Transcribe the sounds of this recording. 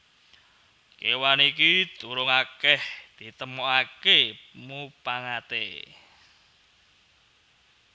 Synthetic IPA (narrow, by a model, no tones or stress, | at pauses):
kewanikid̪̥uɾʊŋakɛhd̪̥i̤t̪əmoakemupaŋat̪ḛ